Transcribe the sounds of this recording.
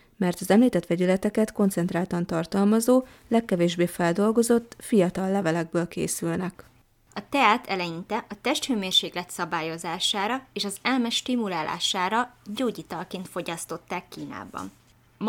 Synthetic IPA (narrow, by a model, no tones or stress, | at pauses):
mɛrt̪ɒzɛmliːt̪ɛt̪ʋɛɟylɛt̪ɛkɛt̪ko̞nt̪sɛnt̪raːlt̪ɒnt̪ɒrt̪ɒlmɒzoː | lɛkːɛveːʒbeːfɛld̪o̞lɡo̞zo̞t̪ːfijɒt̪ɒlːɛvɛlɛɡ̚bøːlkḛːsylnɛk | ɒt̪ɛaːt̪ʰɛlɛjint̪ɛʔɒt̪ɛʃt̪høːmeːrʃeːklɛt̪sɒbaːjo̞zaːʃaːɾɒeːʃɒzɛlmɛʃt̪imulaːlʔa̰ːʃaːɾɒɟoːɟiːt̪ɒlkeːnt̪fo̞ɟɒst̪o̞t̪ːaːkːiːna̰ːbɒ̰n